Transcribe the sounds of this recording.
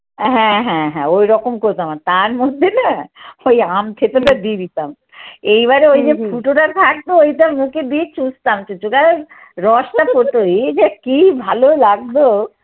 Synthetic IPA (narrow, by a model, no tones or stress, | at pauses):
ɦɛ̃ɦɛ̃ɦɛ̃ojɾɔkomkoɾt̪amat̪aɾmod̪ʱːenaojamt̪ʰet̪oʈad̪ibit̪am | ejβaɾeojd͡ʑefʰuʈoʈat̪ʰak̚t̪oojt̪amũked̪it͡ɕũst̪amt͡ʃut͡ɕukae | ɾɔʃʈapoɾt̪ojd͡ʑakibʱalolaɡ̚d̪o